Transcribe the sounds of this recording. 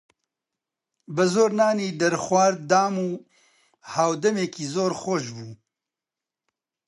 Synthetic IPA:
bəzoːɾnaːniːd̪ɐɾxwaːɾd̪aːmuː | haːwd̪ɐmeːkiːzoːɾxoʃbuː

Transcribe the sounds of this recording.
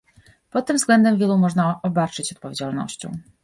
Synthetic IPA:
pɔt̪ːɘmvzɡlɛnd̪ɛmvʲjɛlumɔʐnaɔbat͡ʂɘt͡ɕɔt̪̚pɔvʲjed͡ʑalnɔ̰ɕt͡ɕɔ̰̃w̃

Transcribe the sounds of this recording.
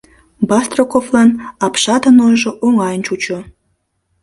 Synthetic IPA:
bɑst̪rokovlɑnɑpʃɑd̪ənojʒoʔoŋɑjənt͡ɕut͡ɕo

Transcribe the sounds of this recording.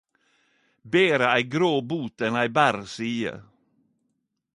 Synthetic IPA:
beːɾəæɪɡɾoːbuːt̪ɛnæɪbæːɾsiːə̰ɾ

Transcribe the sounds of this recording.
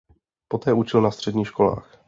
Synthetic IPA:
pot̪ɛːut͡ʃɪlnast̪r̝̥ɛdɲiːʃko̞la̰ːx

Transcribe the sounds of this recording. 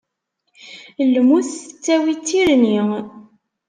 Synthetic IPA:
lmuθət͡sːæwit͡sːiɾni

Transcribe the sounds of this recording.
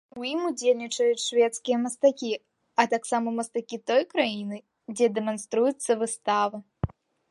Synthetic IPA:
ujimud͡zʲelʲnʲit͡ʂɐjut͡sʲʂvʲɛt̪skʲijɐmɐst̪akʲi | ɐt̪aksamɐmɐst̪akʲit̪ɔjkɾajinɨ | d͡zʲɛd̪ɛmanst̪ɾujut̪sːɐvɨst̪avɐ

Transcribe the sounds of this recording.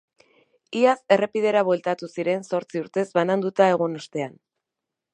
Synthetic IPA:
iase̞re̞pið̞e̞ɾaβwe̞lt̪at̪usiɾe̞nso̞ɾt͡siuɾt̪e̞zβanand̪ut̪ae̞ɣ̞unast̪e̞an

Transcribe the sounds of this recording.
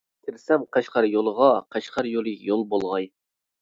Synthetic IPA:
t̪ʰɪɾsɛmqæʃqɑɾjolˠəʁɑqʰæʃqʰɑɾjolˠɨjolˠbolˠʁɑj

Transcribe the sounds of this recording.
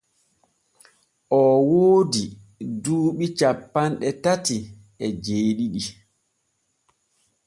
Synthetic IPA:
ʔɔwoːdi | duːɓit͡ʃapːanɗɛtati | ɛd͡ʒeːɗiɗi

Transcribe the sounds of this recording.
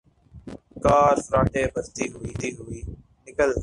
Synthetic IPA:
kaːɾfəɾaːʈeːbʱəɾt̪iːɦʊiːt̪iːɦʊiː | nɪkəl

